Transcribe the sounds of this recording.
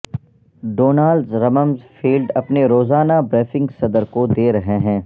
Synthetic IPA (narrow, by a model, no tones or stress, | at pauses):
ɖoːnaːlzɾɐməmzfʰiːlɖɐpneɾoːzaːnabɾeːfɪ̃ŋɡsɐd̪əɾkod̪eːɾɐɦeɦɛ̃ː